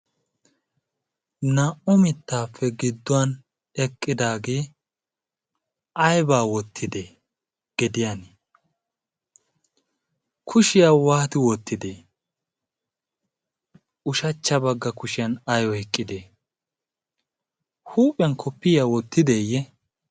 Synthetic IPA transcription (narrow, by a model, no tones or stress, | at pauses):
nɐʔʊmɪt̪ːaːpʰːɛɡɪd̪ːɔwɐn | ɛkʼːɪd̪aːɡeː | ɐjbaːwɔt̪ʰːɪd̪eː | ɡ̥ɛd̪ɪjan | kʰʊʃɪjaːwaːt̪ɪwɔt̪ʰːɪd̪eː | ʊʃɐt͡ʃːɐbɐɡːɐkʊʃɪjɐnɐjɔhɛkʼːɪd̪eː | huːpʼɪjɐnkʰɔpːɪjaːwɔt̪ːɪd̪eːjɛ